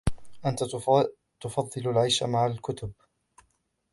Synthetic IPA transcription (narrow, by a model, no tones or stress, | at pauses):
ʔant̪a | t̪ʊfɑðˤːɨlalʕajʃamaʕalkʊt̪ʊb